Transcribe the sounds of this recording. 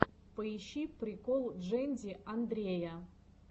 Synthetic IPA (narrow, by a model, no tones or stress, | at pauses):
pəiɕːipɾʲɪkolˠʐɛnʲdʲiʔɐnd̪ɾʲejɐ